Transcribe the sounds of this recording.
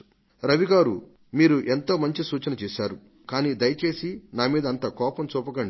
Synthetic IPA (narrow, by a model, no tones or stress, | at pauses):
ɾɐʋiɡaːɾṵ | miːɾuʔe̞nt̪oːmɐɲt͡ʃisuːt͡ʃɐnɐt͡ʃeːʃaːɾu | kaːniːd̪ɐjɐt͡ʃe̞ːsinaːmiːd̪ɐːnt̪ɐkɔːpɐmt͡ʃuːpɐkɐɳɖi